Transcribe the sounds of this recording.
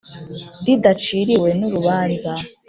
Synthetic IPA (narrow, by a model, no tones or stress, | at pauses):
didat͡ʃiːɾiwe̞nuɾuβaːnza